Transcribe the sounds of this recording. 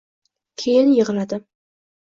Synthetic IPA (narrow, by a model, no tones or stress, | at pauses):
kʲʰejɪlnjəʁlad̪ɪ